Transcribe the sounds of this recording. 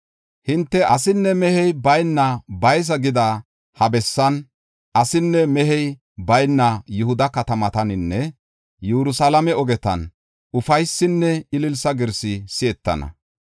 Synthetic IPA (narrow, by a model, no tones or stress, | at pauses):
hɪnt̪ːɛʔɐsɪnːɛmɛhɛjbɐjnːɐbɐjs̬ɐɡɪd̪ɐ | hɐbɛsːɐn | ʔɐsɪnːɛmɛɦɛj | bɐjnːɐjʊhʊd̪ɐkɐt̪ɐmɐt̪ɐnɪnːɛ | juɾʊsɐlɐmɛɔɡɛt̪ɐ̰n | ʊfɐjsːɪnːɛɪlɪlsɐɡɪɾsɪsɪɛt̪ːɐ̰nɐ̰